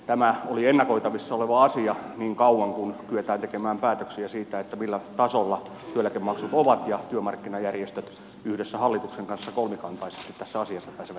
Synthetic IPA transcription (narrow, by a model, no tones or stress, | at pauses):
t̪æmæolienːɑkoit̪ɑʋisːɑoleʋɑɑsiɑniːŋkɑuwɑŋkunkyet̪æːnt̪ekemæːmpæːt̪øksiæsiːt̪æet̪ːæmilːæt̪ɑsolːɑ | t̪yølːækemɑksut̪oʋɑt̪jɑt̪yømɑrkːinɑjærjest̪øt̪ | yhdesːæhɑlːit̪ukseŋkɑnsːɑkolmikɑnt̪ɑise̥st̪it̪t̪æsːæɑsiɑsːɑpæːseʋæ